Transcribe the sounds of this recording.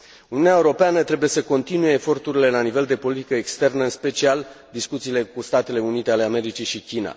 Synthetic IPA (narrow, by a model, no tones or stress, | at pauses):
uniunʲaeuɾo̞peanət̪ɾe̞buje̞səko̞nt̪inuje̞ːfo̞rt̪uɾile̞lanive̞ld̪e̞po̞lit̪i̥kəekst̪e̞rnəɨnspe̞t͡ʃial | d̪iskut̪siːle̞kust̪at̪e̞le̞unit̪e̞ale̞ame̞ɾit͡ʃiʃikʲina̰